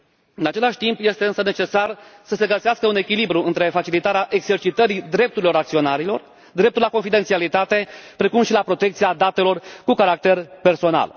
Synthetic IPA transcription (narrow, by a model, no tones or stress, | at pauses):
ɨnat͡ʃe̞laʃʲt̪impje̞st̪e̞ɨnsəne̞t͡ʃe̞sarsəse̞ɡəseaskəune̞kʲilibɾuʔɨnt̪ɾe̞fat͡ʃilit̪aɾeaʔe̞ɡze̞rt͡ʃit̪əɾid̪ɾe̞p̚t̪uɾilo̞ɾakt̪sio̞naɾilo̞r | d̪ɾe̞p̚t̪uɾlakonfid̪et̪sialit̪at̪e̞pɾe̞kumʃilapɾo̞t̪e̞k̚t̪siad̪at̪e̞lo̞rkukaɾak̚t̪e̞rpe̞rso̞na̰l